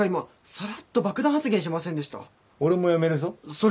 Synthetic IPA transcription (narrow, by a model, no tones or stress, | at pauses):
aimo | saɾat̪ːobakɯd̪ãhat͡sɨɡẽɕ̬imasẽnd̪e̞ɕi̥t̪a̰ | oɾemo̞jame̞ɾɯ̟zosoɾ